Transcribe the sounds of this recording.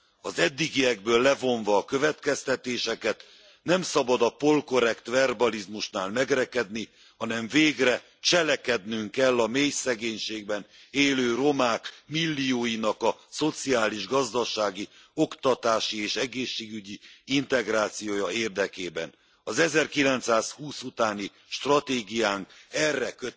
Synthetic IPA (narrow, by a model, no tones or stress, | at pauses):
ɒzɛd̪ːiɡiɛɡbøːlːɛvo̞ɱvɒːkø̞vɛt̪kɛst̪ɛt̪eːʃɛkɛt̪ | nɛmsɒbɒd̪ɒpo̞lko̞ɾɛkt̪vɛrbɒlizmuʃnaːlmɛɡɾɛkɛd̪ni | hɒnɛɱveːɡrɛ | t͡ʃɛlɛkɛd̪nyŋkɛlːɒmeːjsɛɡeːɲʃeːɡ̚bɛn | eːløːro̞maːkmilːijoːjinɒkɒso̞t̪siaːliʒɡɒzd̪ɒʃaːɡi | o̞kt̪ɒt̪aːʃieːʃɛɡeːʃːeːɡyɟiint̪ɛɡraːt̪sijoːjɒeːrd̪ɛkeːbɛ̰n | ɒzɛzɛrkilɛnt̪saːshuːsut̪aːni | ʃt̪rɒt̪eːɡijaːŋkɛrːɛkø